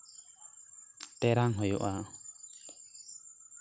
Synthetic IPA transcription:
t̪ɛɾaŋɦɔjɔ̰ʔa

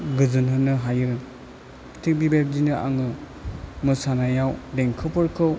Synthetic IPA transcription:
ɡɯzɯnɦɯnɯɦajɯɾ | tʰik̚bibep̚dinɯʔa̰ŋɯ | mɯsanajawdeŋkʰɯpʰɯɾkʰɯw

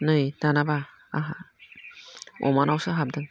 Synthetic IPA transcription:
nɯjd̥anaba | aɦa | ɔ̰manawsɯɦap̚dɯŋ

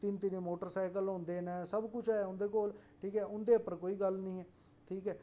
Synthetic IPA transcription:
t̪ɪnt̪ɪneːmoːʈəɾsaːɪkəlɦʊ̃nd̪eːnɛ̃ːsəbkʊt͡ʃʰaːeʊ̃nd̪eːkoːlʈʰiːkɛːʔʊnd̪eːəpəɾkoːiːɡəlnĩːɛː | ʈʰiːkɛː

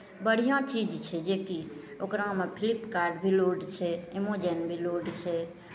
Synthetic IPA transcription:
bəɽ̤ijãt͡ʃid͡ʒt͡ʃʰɛd͡ʒekiokɾamepʰilipkaɾɖbʱiloɖt͡ʃʰɛemod͡ʒenbʱiloɖt͡ʃʰɛ

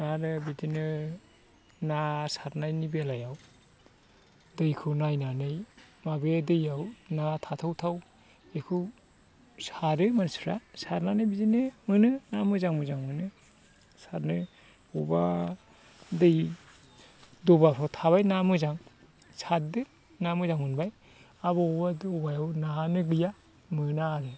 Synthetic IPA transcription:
naɾɯbidinɯ | nasaɾnajnibelajaw | dɯjkʰɯwnajnanɯj | mabedɯjawnatʰatʰawtʰaw | ekʰɯw | saɾɯmansuɾasaɾnanɯjbidinɯmɯnɯnamɯzaŋmɯzaŋmɯnɯ | saɾnɯ | ɔba̰ | dɯj | dɔbapʰatʰaβajnamɯzaŋ | sat̚dɯ | namɯzaŋɯnbaj | aβɔɔbadɔbajawnanɯɡɯja | mɯnaːɾɯ

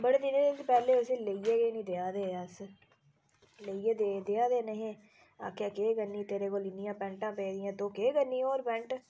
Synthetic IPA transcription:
bəɽeːd̪ɪnẽːd̪et̪ːpɛːleːʊseːləiːeːɡeːnĩːd̪eaːd̪eːəs | ləiːeːd̪eːd̪eaːd̪eːnəɦẽː | a̰ːkʰjaːkeːɡənːiːt̪eːɾeːkoːlɪnɪjãːpɛ̃ːɳʈãːpɛid̪ɪjãːt̪õːkeːɡənːiːoːɾpɛ̃ːɳʈ

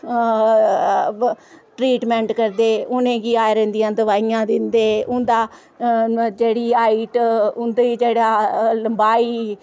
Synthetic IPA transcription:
ʈɾiːʈmɛ̃ːɳʈkəɾd̪eːʊnẽːɡiːaːeɾɛ̃ːnd̪ɪjãːd̪əʋaːiːãːd̪ɪnd̪eːʊnd̪aː | d͡ʒeːɽiːaːiːʈʊnd̪ed͡ʒeːɽaːləmbaːiː

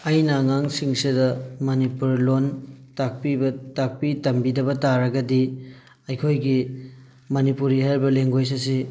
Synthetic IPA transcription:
ɐjnɐŋaŋsiŋsidɐmɐnipuɾlontak̚pibɐtak̚pitɐmbidɐbɐtaɾɐɡɐdi | ɐjkʰojɡi | mɐnipuɾihaɾbɐleŋɡojs̬ɐs̬i

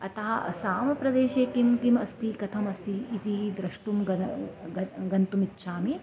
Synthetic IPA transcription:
ɐt̪ɐɦɐɐ̰saːmɐpɾɐd̪eːʃeːkimkimɐst̪ikɐt̪ʰɐmɐst̪iːt̪id̪ɾɐʂʈumɡɐɡɐɡɐnt̪umitːʃʰaːmi

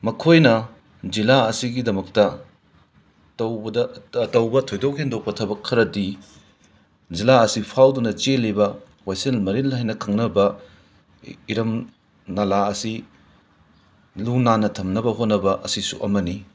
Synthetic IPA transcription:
mɐkʰojnɐ | d͡ʒilaɐsiɡidɐmɐk̚tɐ | tɐwbɐdɐːtɐwbɐtʰojdowkhendok̚pɐtʰɐbɐkʰɐɾɐdi | d͡ʒilaɐsipʰawdunɐt͡ʃelibɐ | wajselmɐɾilhajnɐkʰɐŋnɐbɐ | iɾɐm | nɐlaɐsi | lunanɐtʰɐmnɐbɐɦotnːɐbɐʔɐsisuʔɐmɐni

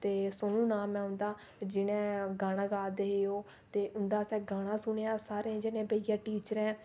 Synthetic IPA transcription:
t̪eːsonũːnaːmɛ̃ːʊ̃nd̪aː | d͡ʒɪnẽːɡaːɽ̃ãːɡaːd̪eːɦeːoː | t̪eːʔʊnd̪aːsɛːɡaːɽ̃ãːsʊneːaːsaːɾẽd͡ʒɪnẽːbəːɪjãːʈiːt͡ʃəɾɛ̃ː

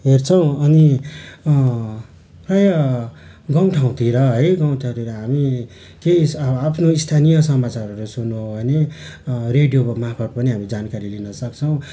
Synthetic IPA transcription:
ɦert͡sʰʌw̃ʌni | prajʌ | ɡʌwʈʰaw̃t̪ʰiɾʌɦʌjɡʌw̃ʈʰãw̃t̪ʰiɾʌɦami | kejsapʰnoist̪ʰanijʌsʌmat͡saɾʌɾusunːuɦobʱʌne | reɖijoʌmapʰʌʈ̚pʌniɦamid͡zankaɾilinʌsʌkt͡sʰʌw̃

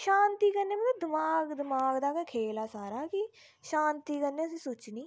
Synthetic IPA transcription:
ʃãːnt̪iːkəɾneːmət̪ləbd̪ɪmaːɡd̪ɪmaːɡd̪aːkeːkʰeːlaːsaːɾaːkɪ | ʃaːnt̪iːkənːeːəsĩːsʊt͡ʃniː

